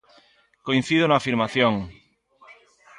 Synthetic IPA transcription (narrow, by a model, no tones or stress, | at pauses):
koin̟θiðonaːfiɾmaθjõŋ